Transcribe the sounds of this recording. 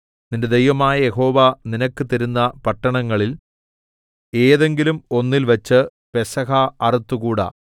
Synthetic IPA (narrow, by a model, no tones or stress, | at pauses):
ninde̞d̪ejʋɐmaːjɐje̞ɦo̞ːʋɐninɐkːɨt̪iɾunːɐpɐʈːɐɳɐŋːɐɭil | e̞ːðe̞ŋɡilumo̞nːilʋɐt͡ɕːɨ | pe̞sɐɦɐɐrut̪ːukuːɽɐ̰